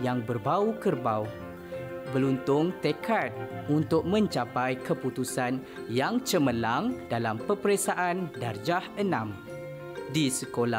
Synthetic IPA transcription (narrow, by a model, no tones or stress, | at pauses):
jaŋbərbaukərbaw | bəlunt̪ʊŋt̪ekʰat̪̚unt̪ʊk̚mə̃ɲt͡ʃapajkəput̪usan | jaŋt͡ʃəməlaŋdalampəpəɾesaʔandard͡ʒahənãm | disəkola